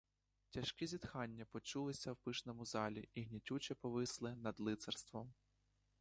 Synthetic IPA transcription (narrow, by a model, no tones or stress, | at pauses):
tʲɐʃkʲizʲid̪xɑnʲːɐpɔt͡ʃulˠɪsʲɐwpɪʃnɔmʊzɑlʲiʔiɦnʲitʲut͡ʃɛpɔʋɪslˠɪnɐd̪lˠɪt̪sɛrst̪ʋɔm